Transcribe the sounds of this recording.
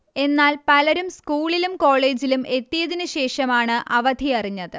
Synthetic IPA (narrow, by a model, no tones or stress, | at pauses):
e̞nːaːlpɐlɐɾumskuːɭilumko̞ːɭe̞ːd͡ʑilumʔe̞t̪ːijɐðinɨɕe̞ːʂɐmaːɳɨʔɐʋɐd̪ʱiɐriɲːɐðɨ